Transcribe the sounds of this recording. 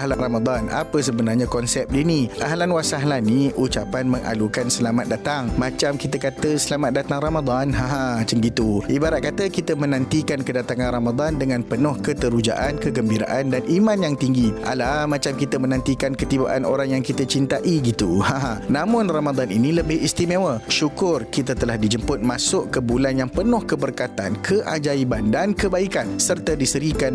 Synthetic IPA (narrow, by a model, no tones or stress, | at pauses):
alaramad̪ana̰pəsəbənarɲãkɔnsɛp̚diniʔaɦlanwasaɦlaniut͡ʃapanmə̃ŋʔa̰lukansəlamat̪̚dat̪aŋmãt͡ʃamkit̪əkat̪əsəlamat̪̚dat̪aŋramad̪anɦaɦat͡ʃəŋɡit̪uʔibaɾat̪̚kat̪əkit̪əmənãnt̪ikankədat̪aŋãnramad̪andəŋãnpənɔhkət̪əɾud͡ʒa̰ʔankəɡəmbiɾa̰ʔandanʔimãnjaŋt̪iŋɡiʔa̰lamãt͡ʃamkit̪amənãnt̪ikankət̪iba̰ʔa̰no̰ɾaŋjaŋkit̪at͡ʃint̪aʔiɡit̪uhãɦanãmʊ̃nramad̪anḭnĩləbɪhist̪imẽwəʃukʊrkit̪at̪əlahdid͡ʒəmpʊt̪̚masʊʔkəbulanjaŋpənʊhkəbərkat̪a̰nkʰəʔad͡ʒaibandankəbaikansərt̪adisəɾikan